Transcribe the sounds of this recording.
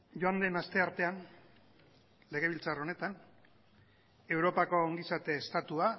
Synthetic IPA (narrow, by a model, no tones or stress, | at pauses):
joand̪e̞nast̪e̞aɾt̪e̞an | le̞ɣ̞e̞β̞ilt͡saro̞ne̞t̪an | e̞wɾo̞pako̞ːŋɡisat̪e̞ːst̪at̪ua